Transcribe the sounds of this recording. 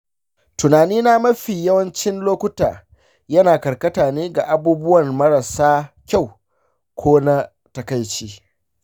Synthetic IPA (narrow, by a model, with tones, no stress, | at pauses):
tʊ˨naː˨niː˦na˦mɐ˦ɸiː˨jɐ˦wɐ˦nt͡ʃɪ˦nloː˦kʷʊ˦ta̰ː˨ | jɐ˦naː˨kɐ˨ɾkɐ˦taː˨neː˦ɡa˨ʔa˨buː˦bʊ˦wɐ˨nmɐ˦ɾa˨saː˦kʲa˦˨w | kʷʰoː˦na˦ | tɐ˦kɐ˦jt͡ʃiː˦